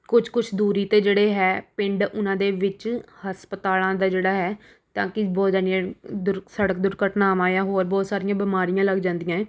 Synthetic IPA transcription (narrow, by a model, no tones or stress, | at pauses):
kʊt͡ʃʰkʊt͡ʃʰd̪uːɾiːt̪eːd͡ʒeːɽeːɦɛːpɪ̃ɳɖʊnãːd̪eːʋɪt͡ʃhəspət̪aːlãːd̪aːd͡ʒeːɽaːɦɛː | t̪ã̰ːkɪbɔːt̪d͡ʒənijãːd̪ʊɾsəɽək̚d̪ʊɾkəʈnaːʋãːjaːɦoːɾbɔːt̪saːɾijãːbɪmaːɾijãːləɡd͡ʒãːnd̪ijãː